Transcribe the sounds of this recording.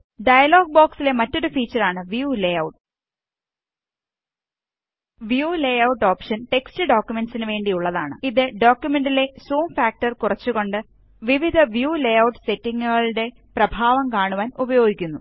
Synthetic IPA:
ɖɐjɐloːɡ̚boːksile̞mɐtːo̞ɾufiːt͡ɕːɐraːɳɨʋjuːlejɐwʈ | ʋjuːlejɐwʈːo̞ːpʂɐnʈe̞kstɨɖo̞ːkʲjume̞nsinɨʋe̞ːɳɖijuɭːɐðaːɳɨ̰iðɨɖo̞ːkʲjume̞ɳɖile̞soːmfaːk̚ʈɐrkurɐt͡ɕːuɣo̞ɳɖɨ | ʋiʋid̪ʱɐʋjuːlejɐwʈse̞tːiŋːuɣɐɭɽe̞ | prɐbʱaːʋɐmkaːɳuʋaːnubɐjo̞ːɡʱikʲːunːṵ

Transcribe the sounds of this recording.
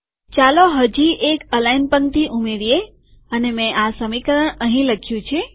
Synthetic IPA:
t͡ʃaloɦəd͡ʒiekəlajnpəŋt̪iʔumeɾije | ənemɛ̃ʔasəmikəɾəɳəɦĩləkʰjũt͡ʃʰe

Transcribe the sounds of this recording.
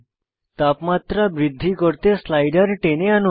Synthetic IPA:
t̪apmat̪ɾabɾid̪ʱːikəɾt̪eslajɖəɾʈeneanu

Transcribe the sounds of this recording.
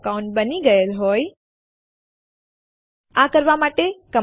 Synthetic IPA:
kaũɳʈ̚bəniɡəelɦoj | akəɾʋamaʈekə

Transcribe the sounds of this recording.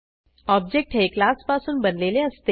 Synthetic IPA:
ɔːb̚d͡ʒek̚ʈɦeklaːspaːsʊnbɐnleːlẽɐst̪e

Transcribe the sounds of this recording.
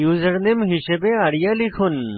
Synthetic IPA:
juːzəɾnemɦiɕebeaɽjalikʰun

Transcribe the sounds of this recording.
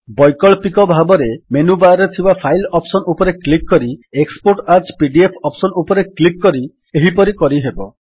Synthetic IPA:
bɔjkɔɭpikɔbʱabɔɾemenubaɾet̪ʰibapʰajlɔpsɔnupɔɾeklikkɔɾiekspoɾʈaɾt͡ʃpiɖiepʰɔpsɔnupɔɾeklikːɔɾi | eɦipɔɾikɔɾiɦebɔ

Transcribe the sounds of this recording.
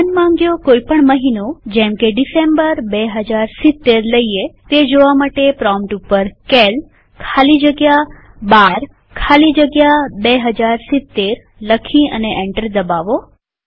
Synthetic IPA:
ənmãŋɡjokoipəɳməɦinod͡ʒɛ̃mkeɖisembəɾbeɦəd͡ʒaɾsɪt̪ːeɾləiet̪ed͡ʒoʋamaʈepɾɔmʈupːəɾkel | kʰalid͡ʒəɡja | baɾ | kʰalid͡ʒəɡjabeɦəd͡ʒaɾsɪt̪ːeɾ | ləkʰiəneʔeɳʈəɾd̪əbaʋo

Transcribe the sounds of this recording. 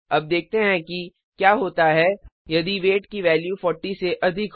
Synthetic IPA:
ɐb̚d̪eːk̚ʰt̪eɦɛ̃ki | kjaːɦoːt̪aɦɛjɐd̪iʋeːʈkiʋɛːljufɔːɾʈiseʔɐd̪ʱɪk

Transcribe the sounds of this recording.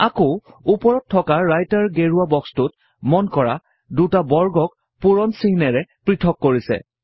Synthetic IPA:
ako | upɔɹɔtʰːɔkaːajtaɹɡeɹuabɔkstut | mɔnkɔɹa | dutabɔɹɡɔk̚ | puɹɔnsinɛɹɛpɹitʰɔkːoɹisɛ̰

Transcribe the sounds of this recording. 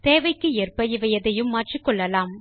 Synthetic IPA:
t̪eːʋɐɪkːɯɛrpɐjɪʋɐjɐðɐjɯmːaːʈrikːɔɭːɐlaːm

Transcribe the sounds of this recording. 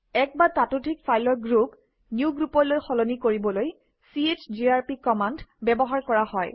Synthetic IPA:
ɛk̚batatutʰik̚fʰajlɔɹɡɹup | niuɡɹupɔɹlojxɔlɔnikoɹibɔloj | siet͡ʃd͡ʒiaɹpikɔmandbɛbɔɦaɹkɔɹahɔj

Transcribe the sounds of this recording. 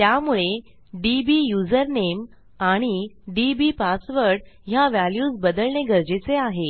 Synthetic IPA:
t̪jamuɭe | ɖibijud͡zəɾnem | aɽ̃iɖibipasʋəɾɖ | ɦjaʋæljuːsbəd̪əlɳeɡəɾd͡ʑet͡seaɦe

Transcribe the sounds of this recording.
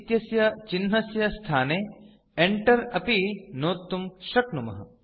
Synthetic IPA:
t̪jɐsjɐt͡ʃinɦɐsjɐst̪ʰaːneː | eɳʈɐɾɐpinoːt̪ːumʃɐknumɐ̰ɦɐ̰

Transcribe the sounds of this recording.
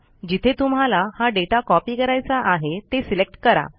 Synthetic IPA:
d͡ʑit̪ʰet̪um̤alahaɖeʈakɔpiːkəɾajt͡saʔaɦet̪esilek̚ʈkəɾa̰

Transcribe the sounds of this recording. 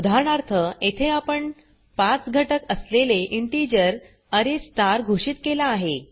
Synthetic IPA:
ud̪ʱaɳaɾt̪ʰəet̪ʰeapəɳ | pat͡sɡʱəʈəkəsleleʔiɳʈid͡ʑəɾ | əɾesʈaɾɡʱoɕiːt̪kelaːɦe

